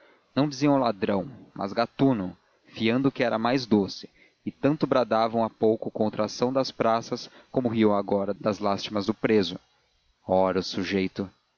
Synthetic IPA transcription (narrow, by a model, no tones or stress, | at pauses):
nɐ̃w̃d͡ʒɪziɐ̃w̃lad̪ɾɐ̃w̃mʔɐ̰zɡat̪unʊ | fiɐ̃nd̪ʊkɪɛɾɐmajzd̪osɪ̥ | ɪt̪ɐ̃nt̪ʊbɾad̪avɐ̃w̃apowkʊkõnt̪ɾasɐ̃w̃d̪ɐspɾasɐskõmʊɦiɐ̃w̃aɡɔɾɐd̪ɐzlast͡ʃimɐzd̪ʊpɾezʊ | ɔɾɐʊsuʒejt̪ʊ